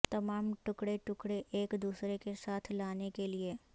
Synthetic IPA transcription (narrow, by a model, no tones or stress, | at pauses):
t̪ɐmaːmʈʊkɽeʈʊkɽeʔeːkd̪uːsɾekesaːt̪ʰlaːnekelie